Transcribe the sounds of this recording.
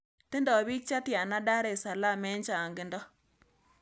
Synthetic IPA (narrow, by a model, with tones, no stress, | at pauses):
tɪ˦ndɔ˨bi˦k̚t͡ʃa˦tja˨na˦da˦ɾe˨sa˨la˦˨mɛ˦nt͡ʃaː˨ŋɡɪ˨˦ndɔ˦